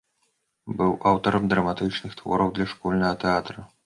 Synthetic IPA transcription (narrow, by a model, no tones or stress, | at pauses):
bɨwʔawt̪ɐɾɐmd̪rɐmat̪ɨt͡ʂnɨxt̪vɔ̰ɾɐwd̪lʲɐʂkɔlʲnɐɦɐt̪ɛat̪ɾɐ